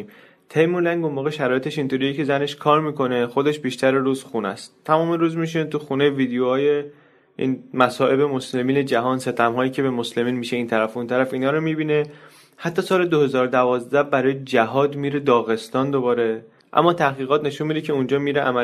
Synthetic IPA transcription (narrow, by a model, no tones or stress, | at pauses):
t̪ʰejmulæŋɡonmoːɣe̞ʃæɾɒːje̞t̪ʰeʃint̪ʰoɾijecʰe̞zæne̞ʃkʰɒːɾmiːko̞ne̞xo̞d̪e̞ʃbiːʃt̪ʰæɾeɾuːzxunæ̰st̪t̪ʰæmɒːmeɾuːzmiʃ̬inet̪ʰuxune̞viːd̪ejoɒːje | ḭnmæsɒːʔe̞be̞mo̞sle̞miːne̞d͡ʒæɦɒːnse̞t̪ʰæmɦɒːjiːcʰe̞be̞mosle̞miːnmiːʃe̞iːnt̪ʰæɾæfunt̪ʰæɾæfiːnɒːɾomibiːne̞ | hæt̪ʰːɒːsɒːle̞d̪ohe̞zɒːɾod̪ævɒːzd̪æhbæɾɒːjed͡ʒæɦɒːd̪miːɾe̞d̪ɒːɣe̞st̪ɒːnd̪obɒːɾe̞ | ʔæ̰mːɒːt̪ʰæhɣiːɣɒːt̪ne̞ʃunmid̪ecʰe̞und͡ʒɒːmiːɾeʔæmæ